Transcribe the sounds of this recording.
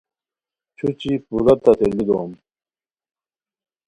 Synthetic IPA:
t͡ɕʰut͡ɕipuɾɐt̪at̪elid̪om

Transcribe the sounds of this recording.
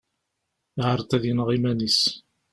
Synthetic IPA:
ʕəɾˤt̪æðjənʁimænis

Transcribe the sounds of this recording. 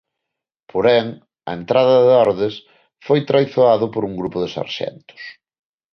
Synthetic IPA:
pʰoɾɛŋ | ɐent̪ɾaðɐðeɔɾðɪs | fojt̪ɾajθoaðʊpoɾuŋɡɾupʊðesa̰ɾʃɛ̰nt̪ʊ̥s

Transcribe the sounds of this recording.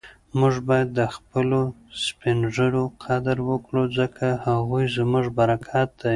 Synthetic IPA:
mʊʐbɑjad̪ːəxpəlospɪnʐəɽoqʰad̪aɾwəkɽuzəkʰahaɣujzmʊʐbaɾakʰɑt̪̚ːa

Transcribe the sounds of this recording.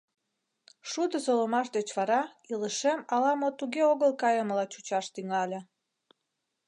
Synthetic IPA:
ʃud̪əsolomɑʃd̪et͡ɕβɑɾɑiləʃemɑlɑmot̪uɣeoɣəlkɑjəməlɑt͡ɕut͡ɕɑʃt̪yŋɑlʲe

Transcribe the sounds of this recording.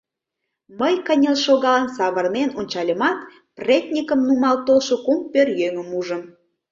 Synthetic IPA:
məjkənʲəlʃoɣɑlənsɑβərnenonʲt͡ɕɑlʲəmɑt̪ | pretʲnʲikəmnumɑlt̪olʃokumpørjøŋə̆muʒəm

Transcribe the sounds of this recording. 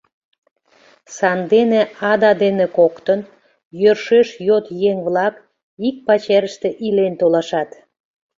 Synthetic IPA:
sɑnd̪eneɑd̪ɑd̪enekokt̪ən | jørʃeʃjot̪jeŋβlɑk | ik̚pɑt͡ɕeɾəʃt̪eʔilent̪olɑʃɑt̪

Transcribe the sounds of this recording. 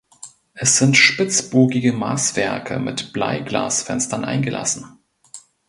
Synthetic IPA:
ʔɛsz̥ɪntʃpɪt͡sb̥oːɡɪɡəmaːsv̥ɛɐkʰə̰mɪtb̥la̰ɪɡla̰ːsfɛnstɐnʔa̰ɪnɡəlʔa̰sn̩

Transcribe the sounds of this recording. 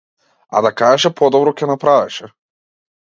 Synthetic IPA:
a̰d̪akaʒɛʃɛpɔd̪ɔbɾɔkʲɛnapɾavɛʃɛ

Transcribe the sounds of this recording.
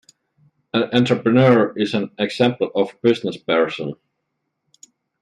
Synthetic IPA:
æ̃nɛ̃ntɹ̥əpɹɨnɜɹɪzæ̃nɛɡsɛ̃mpl̩ˠɔvb̥ɪznəspɛɹsə̃n

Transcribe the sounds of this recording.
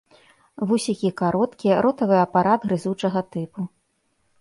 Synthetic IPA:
vusʲikʲikaɾɔt̪kʲijɛɾʔɔt̪ɐvɨɐpaɾad̪ɣɾɨzut͡ʂɐɣɐt̪ɨpu

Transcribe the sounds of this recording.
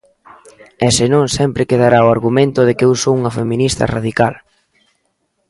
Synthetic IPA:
ɛsɪnõŋsɛmpɾɪkeðaɾaoaɾɣumẽnt̪ʊðɪkewsouŋɐfemĩnist̪ɐ̰ra̰ðikal

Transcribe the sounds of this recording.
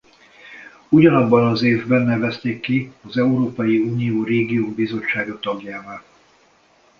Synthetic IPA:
uɟɒnɒbːɒnɒzeːvbɛnːɛvɛst̪eːkːiɒzɛuɾoːpɒjiuːnijoːreːɡijoːmbizo̞t͡ʃːaːɡot̪ɒɡjaːvaːl

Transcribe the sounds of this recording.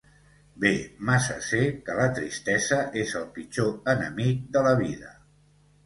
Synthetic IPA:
bemasə̰sekələt̪ɾḭst̪ɛzəʔezəlˠpit͡ʃoənəmik̚d̪ələβiðə

